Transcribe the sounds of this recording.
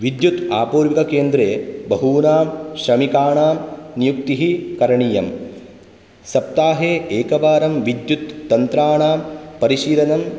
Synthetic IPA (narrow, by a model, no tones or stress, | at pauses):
ʋid̪jut̪aːpuːɾʋikɐkeːnd̪ɾeːbɐɦuːnaːmʃɾɐmikaːɳaːmnijuk̚t̪iɦikɐɾɐɳijɐm | sɐp̚t̪aːɦeːeːkɐʋaːɾɐmʋid̪jut̪ːɐnt̪ɾaːɳaːmpɐɾiʃiːlɐnɐm